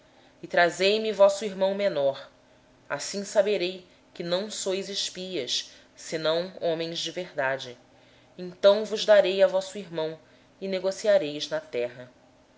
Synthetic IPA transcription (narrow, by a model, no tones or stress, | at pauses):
ɪt̪ɾazejmɪvɔsʊiɦmɐ̃w̃menɔɾ | a̰sĩsabeɾej | kɪnɐ̃w̃sojzɪʃpiɐs | sɪnɐ̃w̃õmẽj̃zd͡ʒɪveɦd̪ad͡ʒɪ | ẽnt̪ɐ̃w̃vʊzd̪aɾejavɔsʊiɦmɐ̃w̃ | ɪneɡosiaɾejznɐt̪ɛɦɐ